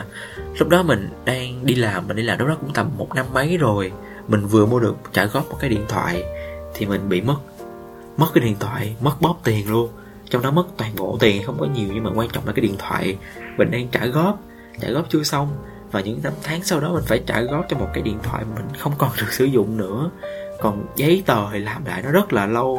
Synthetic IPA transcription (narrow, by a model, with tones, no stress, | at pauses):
lʊ˦˥k͡p̚ɗɔ˨˦mï˨˩ŋ̟ɗaː˧ŋɗi˧laː˨˩mːï˨˩ŋ̟ɗi˧laː˨˩lɗɔ˨˦kʊ̰˧˥ŋ͡mt̪ə˨˩mːo˨˩t̚na˧mːə˨˦jzo˨˩j | mï˨˩ŋ̟vɨ˨˩əmu˧əɗɨ˨˩ək̚t͡ɕaː˧˩jɣɔ˦˥p̚mo˨˩t̚kaː˨˦jɗḭ˧˨nt̪ʰwa̰ː˧˨jt̪ʰi˨˩mï˨˩ŋ̟ɓḭ˧˨mə˦˥t̚ | mə˦˥t̚kaː˨˦jɗḭ˧ənt̪ʰwa̰ː˧˨jmə˦˥t̚ɓɔ˦˥p̚t̪i˨˩ənlu˧ən | t͡ɕɔ˧wŋ͡mɗɔ˨˦mə˦˥k̚t̪waː˨˩nɓo̰˧˨t̪i˨˩n˨˩xə˧wŋ͡mkɔ˨˦ɲi˨˩əwɲɨ˧maː˨˩kwaː˧nt͡ɕɔ̰˧˨ŋ͡mʔa̰ː˧˩kːaː˨˦ɗḭ˧˨ənt̪ʰwa̰ː˧˨j | və̈˨˩ŋɗe˧nt͡ɕaː˧˩ɣɔ˦˥p̚ | t͡ɕaː˧˩jɣɔ˦˥p̚t͡ɕɨ˧əsa˧wŋ͡m | vaː˨˩ɲɨ̰˧˥ŋna˧mt̪ʰaː˨˦ŋsa˧wɗɔ˨˦mï˨˩ŋ̟faː˧˩jt͡ɕaː˧˩ɣɔ˦˥p̚t͡ɕɔ˧wŋ͡mmo˨˩t̚kaː˨˦jɗḭ˧˨ənt̪ʰwa̰ː˧˨jmaː˨˩mï˨˩ŋ̟xə˧wŋ͡mkɔ˨˩nɗɨ˨˩ək̚sɨ˧˩zʊ̰˧˨ŋ͡mnɨ̰˧˥əkɔ˨˩nzə˨˦jt̪əː˨˩hlaː˨˩mla̰ː˧˨jnɔ˨˦zə˦˥t̚laː˨˩lə˧w